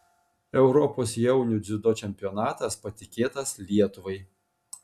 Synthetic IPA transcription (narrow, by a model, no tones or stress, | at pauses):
ɛʊɾɔpoːsjɛʊnʲʊd̪zʲɪd̪oːt͡ʃʲɛmʲpʲɪjɔnɑːt̪ɐspɐt̪ʲɪkʲeːt̪ɐslʲiɛt̪ʊʋɐɪ